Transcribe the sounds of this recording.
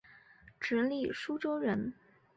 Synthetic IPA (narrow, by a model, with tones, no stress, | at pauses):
ʈ͡ʂɻ̩˧˥li˥˩ʂu˥ʈ͡ʂo˥ʊɻə˧˥n